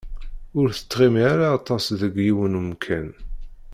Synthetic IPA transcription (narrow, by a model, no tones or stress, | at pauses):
ʊɾθə̥t̪ːʁimiʕaɾaːt̪ˤɑsðəɡjiwənmkʰæn